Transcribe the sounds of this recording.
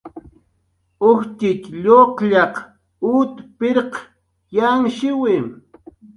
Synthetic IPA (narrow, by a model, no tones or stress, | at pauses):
ʊht͡ʃ̪ɪt̪ʎoqʎɑq | ut̪pɪɾq | jaŋʃɪwɪm